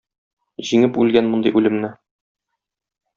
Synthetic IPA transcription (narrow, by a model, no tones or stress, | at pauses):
ʑiŋɘpʉlɡænmond̪ɤ̆jʔʉlɘ̆mnɘ